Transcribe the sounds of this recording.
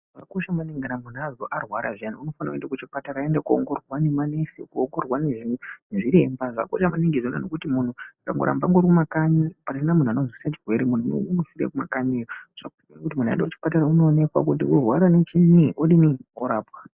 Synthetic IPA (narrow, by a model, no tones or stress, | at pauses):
ʐakoʃamaneŋɡanamun̤uaʐoʔarwaɾa̰ʐianauno̞fanakuendakut͡ʃipataɾaendakuo̰ŋɡo̞rwanemanesikuoŋɡorwaneʐinuneʐiɾe̞mbaʐa̰ko̰ʃamaniŋɡizonanokutimun̤uka̰ŋɡo̰ɾa̰mbaŋɡoɾikumakaɲipainamun̤uanozwisat͡ʃirwe̞ɾemun̤uo̰usiɾḛkuma̰kaɲejoʐ̥ak | inekutimunua̰endakut͡ʃi̥pataɾauno̞ːne̞kwa̰k̬utḭurwaɾanet͡ʃiniʔoɗinioɾaːpwa